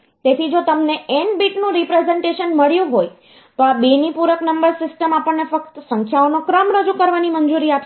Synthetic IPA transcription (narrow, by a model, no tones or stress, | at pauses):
t̪et̪ʰid͡ʒot̪əmneeɳɖbiʈnũɾipɾezẽɳʈeʃənməɭjũɦoj | t̪oabenipuɾəknəmbəɾsɪsʈəmapəɳnefək̚t̪sə̃ŋkʃʰaonokɾəmɾəd͡ʒukəɾʋanimənd͡ʒuɾiap